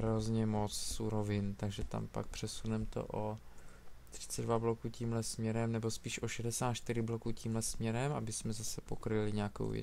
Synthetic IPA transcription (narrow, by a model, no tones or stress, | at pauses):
ɾozɲɛmot͡ssuɾovɪnt̪aɡʒɛt̪a̰mpa̰k̚pr̝̥ɛsunɛmt̪o̞̰ʔo | t̪r̝̥ɪ̥t͡sɛdvablokuːciːmlɛsmɲɛɾɛmnɛbo̞spiːʃʔoʃɛdɛsaːt̪ʃt̪ɪɾɪblokuːciːmlɛsmɲɛɾɛmabɪsmɛzasɛpo̞kɾɪlɪɲeako̰wvjɛ̰